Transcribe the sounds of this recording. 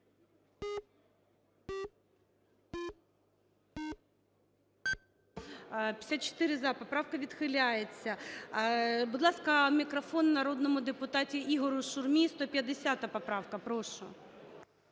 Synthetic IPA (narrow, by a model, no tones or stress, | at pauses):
pʲi̥sʲat̪̚t͡ʃo̥t̪ɪɾɪzɑpɔpɾɑwkɐʋʲid̪xɪlʲajet͡sʲːɐ | bʊd̪lˠɑskɐmʲikɾɐfɔnːɐɾɔd̪nɔmʊd̪epʊt̪ɑtʲiʔiɦɔɾʊʃʊrmʲist̪ɔpʲjɐd̪esʲat̪ɐpɐpɾɑwkɐpɾɔʃʊ̰